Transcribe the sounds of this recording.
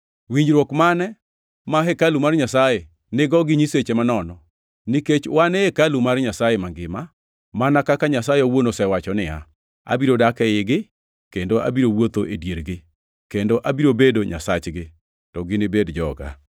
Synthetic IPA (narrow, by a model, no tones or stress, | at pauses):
wiɲd͡ʒɾwɔkmanɛ | maɦɛkalumarɲasaje | nɪɡɔɡɪɲiset͡ʃemanɔnɔ | niket͡ʃwaneekalumaɾɲasajemaŋɡɪma | manakakaɲasajeowonosɛwat͡ʃɔnɪa̰ | a̰biɾodakɛɪɡɪ | kendoʔa̰biɾowot̪oʔedjeɾɡɪ | kendoʔabiɾobedoɲa̰sat͡ʃɡɪ | tɔɡɪnɪbedd͡ʒɔ̰ɡa̰